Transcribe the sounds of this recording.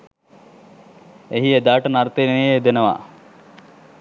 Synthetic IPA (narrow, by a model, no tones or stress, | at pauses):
eɦied̪aːʈənaɾt̪eneejeːd̪enəʋa̰